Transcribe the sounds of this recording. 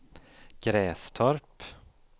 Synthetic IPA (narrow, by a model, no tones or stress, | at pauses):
ɡ̥ɾɛːst̪ʰœɾp